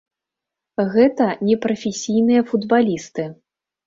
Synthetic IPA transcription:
ɣɛt̪ɐnʲɛpɾɐfʲesʲijnɨjɐfud̪balʲist̪ɨ

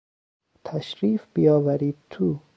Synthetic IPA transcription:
t̪ʰaʃɾiːfbijɒːvæɾiːd̪̚t̪ʰu

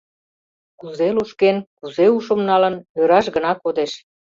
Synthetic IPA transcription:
kuzeluʃkenkuzeuʃə̆mnɑlə̆nøɾɑʃɡənɑkod̪eʃ

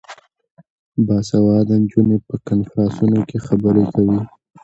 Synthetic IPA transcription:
bɑsawɑd̪and͡ʒunepəkanfɾɑ̃nsunokexabəɾekʰawi

